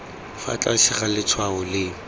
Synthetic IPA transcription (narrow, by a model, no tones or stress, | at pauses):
fa̰t͡ɬʼaʃɪχalɪt͡sʰwaʊlɪ